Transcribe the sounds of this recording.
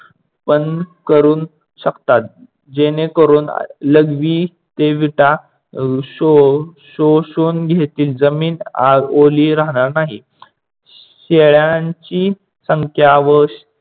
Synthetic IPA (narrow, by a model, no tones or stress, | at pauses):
pənkəɾuːn | ɕəkt̪at̪̚ | d͡ʑenekəɾuːn̰ləɡʋiː | t̪eʋiʈa | ɕoɕoɕonɡʱet̪iːld͡zəmiːnaoliːɾaɦɽ̃aɾnaɦḭ | ɕeɭjaɲt͡ɕiː | səŋkʰjaʋəɕ